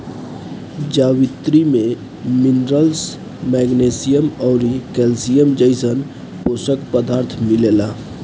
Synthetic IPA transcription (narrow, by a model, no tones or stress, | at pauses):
d͡ʒaːwɪt̪ɾimẽ | mɪnɾəls | mɛːɡneːsijəmɔːɾikeːlsijəmd͡ʒəɪsən | poːsəkpəd̪aːɾt̪ʰmɪleːlaː